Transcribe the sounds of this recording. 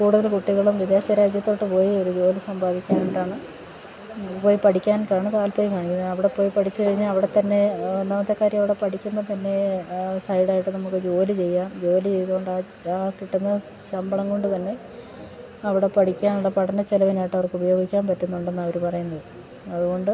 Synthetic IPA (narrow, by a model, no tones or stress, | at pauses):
kuːɽuðɐlkuʈːiɣɐɭumʋid̪jaːɕɐɾaːd͡ʑjɐt̪ːo̞ːʈːɨpo̞ːjio̞ɾud͡ʑo̞ːlisɐmbaːd̪ikʲːaːnoʈaːɳɨ | po̞ːjipɐʈʰikʲːaːnkːaːɳɨkaːlpoːjikaːɳikʲːunɐðɐʋiɽe̞po̞ːjipɐʈʰit͡ɕːɨkɐɻiɲːalɐʋiɽe̞t̪ɐnːe̞end̪aːmɐt̪ːe̞kːaːɾjɐmɐʋiɽe̞pɐʈʰikʲːunːɐt̪ɐnːe̞sɐjɽaːjiʈːɨnɐmukːɨd͡ʑo̞ːlit͡ɕe̞jːaːnd͡ʑo̞ːlit͡ɕe̞jt̪uɣoɳɖaː | aːkiʈːɐnːe | ɕɐmbɐɭɐŋko̞ɳɖɨt̪ɐnːe̞ | ɐʋiɽe̞pɐʈʰikʲːaːnuɽepɐɽɐndet͡ɕelɐʋinaːjiʈːɐʋɐrkɨubɐjo̞ːɡikʲːaːnpɐtːunːuɳɖenːɐʋɐɾupɐrɐjunːɐðɨ | ɐðuɣo̞ɳɖɨ